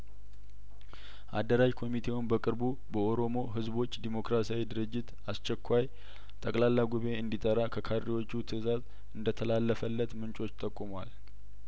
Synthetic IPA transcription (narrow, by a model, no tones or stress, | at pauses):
ʔa̰d̪əɾajkʰo̞mit̪ʰe̞wunbəkʼɨɾbu | bəo̞ɾo̞mo̞ɦɨzbo̞t͡ʃːd̪imo̞kɾasawid̪ɨɾɨd͡ʒːɪt̪ | ast͡ʃːɛkʰʷːaj | t̪ʼəkʼlalːaɡuβe̞ɨnd̪it̪ʼəɾakʰəkʰaɾːiwo̞t͡ʃːut̪ʰɨzaz | ɨnd̪ət̪ʰəlalːəfəlːət̪mɨnt͡ʃʼo̞t͡ʃːt̪ʼəkʼːumwa̰l